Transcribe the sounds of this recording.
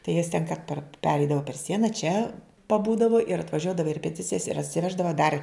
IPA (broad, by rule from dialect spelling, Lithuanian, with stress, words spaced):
tɐɪ jɛs tʲɛn kɐ pɐr ˈpʲæːrʲɛɪdɐʋɐ pʲɛr ˈsʲiɛnɐ t͡ʃʲɛ pɐˈbuːdɐʋoː ɪr ɐtʋɐˈʒʲuɔdɐʋɐ ɪ rʲɛpʲɛˈtʲɪt͡sʲɪjɛs ɪr ɐtʲsʲɪˈʋʲæːʒdɐʋɐ dɐr